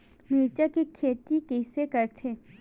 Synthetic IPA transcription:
miɾt͡ʃakekʰeːt̪ikesekɐɾt̪ʰeː

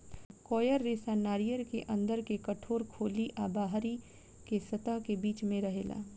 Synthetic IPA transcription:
kɔːjəɾːeːsanaːɾijəɾkeʔɐ̃nd̪əɾkekɐʈʰoːɾkʰoːliʔaːbaːɦɾi | kesɐt̪akebiːt͡ʃmẽɾɐɦḛːla̰ː

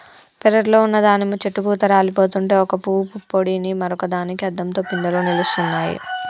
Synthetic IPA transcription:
pɛɾɐɾlo̞ːunːɐd̪aːnimut͡ʃeʈːuɡuːt̪ɐɾaːlipo̞ːt̪uɳʈe̞ːɔkɐpuːpupːoɽinimɐɾɔkɐd̪aːnikiɐd̪ːɐmt̪o̞ːpind̪ɐloːnilust̪unːaːjḭ

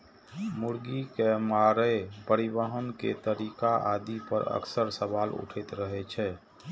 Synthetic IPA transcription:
muɾɡikemaɾəepəɾibəɦənkḛt̪əɾikaʔad̪ipə̰ɾə̰ksəɾsəbalṵʈʰet̪ɾəɦɛt͡ʃʰɛː

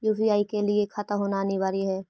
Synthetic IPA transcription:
juːbiaːikeliekʰɐt̪əmɦoːnaniʋaːɾiɦɛː

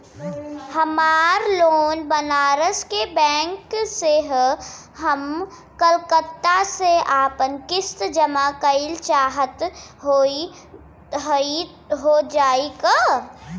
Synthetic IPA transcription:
hɐmaːɾloːnbənaːɾəskebɛ̃ːŋkseɦ | ɦəm | kəlkət̪ːaseaːpənkɪst̪d͡ʒəmakəɪlt͡ʃaːɦət̪ɦo | ɦi | ɦoːd͡ʒaːiɡa

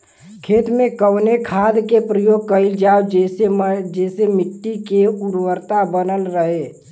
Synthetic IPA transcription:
kʰeːt̪mẽkəwnekʰaːd̪kepɾəjoːɡ̚kəɪld͡ʒaːwd͡ʒesed͡ʒɛːsemɪʈːikeuɾwəɾt̪abənəlɾəɦe

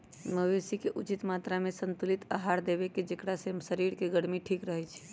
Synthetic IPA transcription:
məbesikeʔut͡ʃit̪mat̪ɾamesənt̪ulit̪aɦaɾd̪ebeked͡ʒekɽasemsəɾiɾkeɡəɽmiʈʰikɾəɦɛt͡ʃʰɛ̥

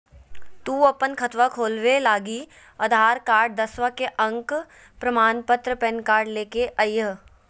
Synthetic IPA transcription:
t̪uːɐpənkʰɐt̪ʋakʰoːlʋelaːɡi | ɐd̪ʱaːɾkaːɾɖ̚d̪ɐsʋakeʔɐ̃ŋk | pɾəmaːnpət̪ɾəpɛnkaːɾɖleːkeʔɐjəɦ

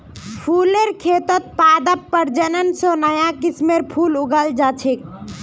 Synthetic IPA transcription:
pʰuːleɾkʰeːt̪ət̪̚paːd̪əpːəɾd͡ʒənənsonəjakismeɾpʰuːlʊɡəld͡ʒat͡ʃʰik̚

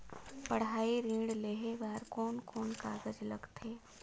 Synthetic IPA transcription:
pəɽ̤ɦaːiɾĩːɽleːɦebaːɾkɔːnkɔːnkaːɡəd͡ʒləɡt̪ʰeː

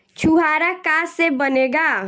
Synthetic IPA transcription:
t͡ʃʰuɦaːɾakaːsebəneːɡaː

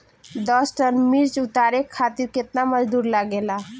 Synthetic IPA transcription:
d̪əsʈənmiɾt͡ʃut̪aɾekʰat̪iɾket̪naməd͡ʒd̪uɾlaɡela

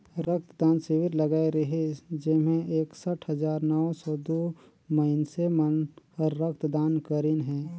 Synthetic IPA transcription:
ɾək̚t̪d̪aːnsɪʋɪɾləɡaːiɾɐɦid͡ʒɪmẽeːksəʈʰɦəzaːɾnɔʋsɔːd̪oː | məɪnsemənɔɾːək̚t̪d̪aːnkəɾɪnɦɛ̃ː

